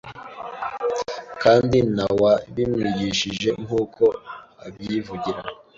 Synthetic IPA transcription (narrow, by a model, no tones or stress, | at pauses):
kaːndinawaβimŋiɟiʃiʒe̞ŋhuːkʰo̞ | aβjivuɟiɾa